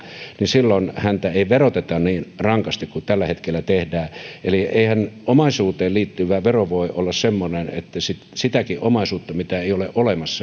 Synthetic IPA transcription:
nisilːonhænt̪æeiʋerot̪et̪ɑnniːnrɑŋkɑst̪ikkut̪ælːæhet̪kelːæt̪ehdæːʔeliʔeihænomɑisuːt̪eːlliːt̪ːyʋæʋeroʋoiʔolːɑssemːonenḛt̪ːæsit̪sit̪ækiʔomɑisuːt̪ːɑmit̪æeˑiolḛʔolemɑsːɑ

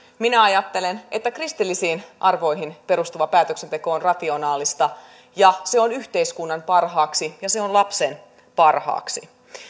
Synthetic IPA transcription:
minæɑjɑt̪ːe̞le̞ne̞t̪ːækrist̪ilːisiːnʔɑrʋo̞jɦinpe̞ɾust̪uʋɑpæːt̪øksent̪e̞ko̞onrɑt̪io̞nɑːlist̪ɑ | jɑseo̞nyçt̪e̞jskunːɑmpɑrɦɑːksijɑse̞o̞nlɑpse̞n | pɑrhɑ̰ːksi

